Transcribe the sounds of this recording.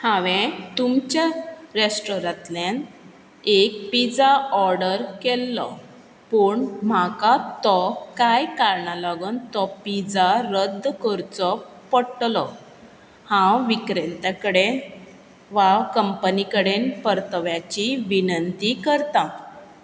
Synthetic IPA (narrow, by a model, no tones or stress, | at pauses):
hãʋẽt̪umt͡ɕjaɾesʈɾɔɾãt̪lan | ek̚pid͡zaɔɾɖəɾkelːɔ̰ | pəːɳm̤akat̪ɔkajkaɾɳalaɡənt̪ɔpid͡zaɾəd̪ʱːkəɾt͡sɔ | pəɽʈlɔ | hãwʋikɾent̪akəɽe | ʋawkəmpənikəɽenpəɾt̪əʋjat͡ɕiʋinənt̪ikəɾt̪a